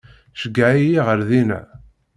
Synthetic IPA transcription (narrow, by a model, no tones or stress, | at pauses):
ʃəɡːaʕijiʁəɾðinæ̰